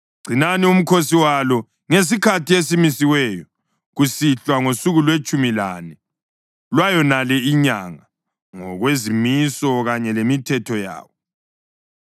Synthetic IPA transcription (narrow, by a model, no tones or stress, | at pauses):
ɡ͡ǀ̥ʱinanium̩kʰosiwalɔ | ŋes̬ikʰatʰiesimisiwɛjɔ | ɣusiɬwaŋosuɣulwet͡ʃʼumilanɛ | lwajɔnalɛiɲaŋa | ŋɔ̰ɣwezimisɔɣaɲɛlemitʰɛtʰɔja̰ːwɔ